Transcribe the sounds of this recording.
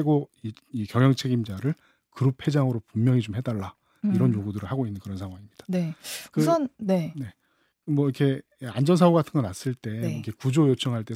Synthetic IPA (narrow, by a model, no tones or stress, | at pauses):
eɡoi | ikjʌŋɦjʌŋt͡ɕʰe̞ɡimd͡ʑaɾɯɭ | kɯɾupʰhe̞d͡ʑaŋɯɾopummjʌŋit͡ɕomɦe̞daɭːa | iɾʌnjoɡudɯɾɯɭɦaɡoinːɯnkɯɾʌnsʰaŋɦwaŋimɲid̥ḁnekɯsʰʌnːe̞ne̞ | mwʌikʰe̞ | and͡ʑʌns̬ʰaoɡatʰɯnŋɡʌnas͈ɯɭt͈e̞ikʰe̞kud͡ʑojot͡ɕʰʌŋɦaɭt͈e̞